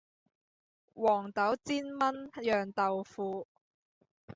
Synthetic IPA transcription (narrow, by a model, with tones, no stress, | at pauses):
wɔː˨˩ŋt̪ɐ˨˥wt͡siː˥nmɐ˥njœː˨ŋt̪ɐ˨wfuː˨˧